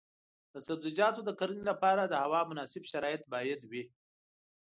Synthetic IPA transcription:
d̪̥əsabzid͡ʒɑːt̪od̪əkaɾunilapɑɾad̪əhawɑmʊnɑsɪbʃaɾɑːjɪt̪̚bɑjad̪wi

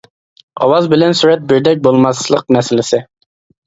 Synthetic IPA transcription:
ɑ̰wɑzbɪlɛnsuɾɛt̪̚bɪɾd̪ɛk̚ʲbolˠmɑslˠəq̚nɛsɪlɪsɪ

